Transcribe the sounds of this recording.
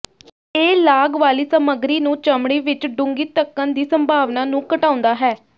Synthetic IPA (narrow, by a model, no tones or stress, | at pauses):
eːlaːɡʋaːliːsəməɡɾiːnũːt͡ʃəmɽiːʋɪt͡ʃɖʊ̃ŋɡiːt̪əkːənd̪iːsəmbʱaːʋnaːnũːkəʈãːʊ̃nd̪aːɦɛː